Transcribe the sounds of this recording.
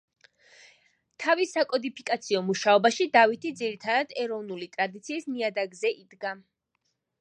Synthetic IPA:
t̪ʰavisakʼɔd̪ipʰikʼat̪sʰiɔmuʃaɔbaʃid̪avit̪ʰid̪ziɾit̪ʰad̪ad̪ɛɾɔvnulit̪ʼɾad̪it̪sʰiːsmiad̪aɡzɛʔid̪ɡa

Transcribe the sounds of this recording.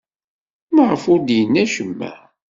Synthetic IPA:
maʁəfʊɾd̪jənːæʃəmːæ̰

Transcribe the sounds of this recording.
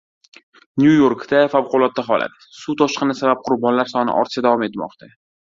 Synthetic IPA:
njujoɾkd̪afawqʰʊlˠɒt̪̚ːaɦɒla̰t̪ | sut̪ʰɒʃqɨnɪsabap̚qʰʊɾbɒnlaɾsɒnɪ̰ʔɒ̰ɾt̪ɪ̥ʃad̪avɒme̞t̪mɒ̰qt̪ʰa

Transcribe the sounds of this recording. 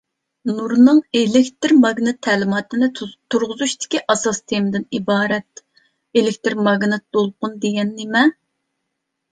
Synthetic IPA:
nuɾnɨŋelɪkʲt̪ɪɾmɑɡnɨt̪ʰːɛlɪmɑːt̪ɨnɨt̪ʰuɾʁʊzuʃt̪ɪ̥kʲiʔɑsɑst̪ʰemɪd̪ɪnibɑːɾɛt̪ | elɪkʲt̪ɪɾmɑɡnɨt̪̚b̪̥olˠqʊnd̪eɡʲɛnːemɛ

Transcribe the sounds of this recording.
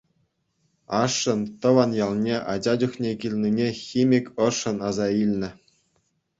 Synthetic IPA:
ɑʂːɤ̆nt̪ɤ̆ʋɑnjɑlˠnʲeʔɑd͡ʑɑd͡ʑuxnʲekʲilʲnʲinʲexʲimʲikʲɤ̆ʂɤ̆nɑzɑilʲnʲɘ̆

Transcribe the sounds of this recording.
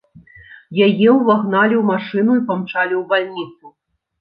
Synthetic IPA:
jajɛwvaɣnalʲiwmaʂɨnuipamt͡ʂalʲiwbalʲnʲit̪su

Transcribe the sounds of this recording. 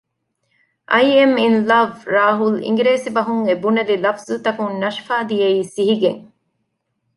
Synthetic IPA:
ʔɐjeminlɐʋɾaːɦulḭŋɡɾeːsibɐɦuŋebunɐlilɐfz̥ut̪ɐkunnɐʃfaːd̪ijeiːsiɦiɡeŋ

